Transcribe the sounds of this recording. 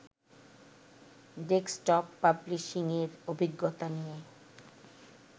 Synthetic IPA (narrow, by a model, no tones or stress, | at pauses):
ɖeksʈɔpːabliʃiŋeɾobʱiɡːot̪anije